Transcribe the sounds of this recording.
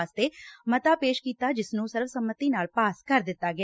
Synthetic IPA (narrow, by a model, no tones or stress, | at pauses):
st̪eːmət̪aːpeːʃkiːt̪aːd͡ʒɪsnũːsɪɾfsəmːət̪iːnaːlpaːskəɾd̪ɪt̪ːaːɡɛ